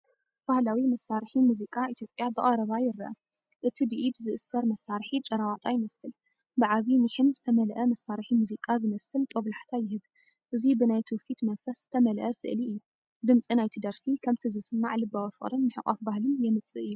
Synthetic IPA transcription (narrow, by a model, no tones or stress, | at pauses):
b̥ahlawimɐsːaɾħimuzikʼait̪ʰjo̞pʼjabɨχʼɐɾɐβajɪɾːɐ̰ʔɐ̰ | ʔɨt̪ʰibɨʔid̪zɨʔɨsːɐɾmɐsːaɾħit͡ʃʼɐɾawat̪ʼajɪmɐsɨl | bɨʕaβiniħɨnzɨt̪ʰɐmɐlʔɐmɐsːaɾħimuzikʼazɨmɐsɨlt̪ʼoβlaħt̪ʰajɪhɨβ | ʔɨzibɨnajt̪ʰufit̪mɐnfɐszɨ̥t̪ʰɐmɐlʔɐsɨ̰ʔliʔɨjːu | d̪ɨmt͡sʼinajt̪ʰid̪ɐɾfikʰɐmt̪ʰizisɨmːaʕlɨbawɐfɨɾɨnmɨħɨqʼa̰fbahlɨnjɛmɨt͡sʼɨʔɨjːu